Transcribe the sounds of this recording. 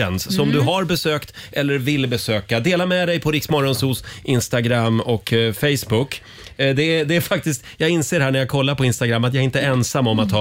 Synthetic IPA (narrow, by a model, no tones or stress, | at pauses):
ɛ̰nsːɔmd̪ɵɦaɾbɛsøːkt̪ʔɛlːəɾvɪlːbɛsøːkad̪eːlamɛd̪ɛjpʰɔɾɪksmɔɾɔnsuːsʔɪnst̪aɡɾamːɔkfɛjsbʊkː | d̪ɛd̪ɛæɾfak̚t̪ɪskt̪jɑːɡɪnseːɾɦæɳæɾjaɡkʰɔlːaɾpʰɔɪnst̪aɡɾamːat̪̬jaɡɾɪnt̪əɛnsamːɔmat̪ʰːɑː